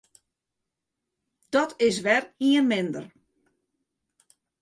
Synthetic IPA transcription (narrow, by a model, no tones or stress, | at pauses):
d̥ɔtɪs̬ʋɛriənmɪndər